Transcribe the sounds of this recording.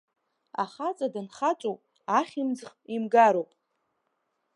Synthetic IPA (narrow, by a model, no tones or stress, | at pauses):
a̰χat͡sʼadɨnχat͡ʃʷʼowpʼ | aχʲimd͡zχimɡaɾowpʼ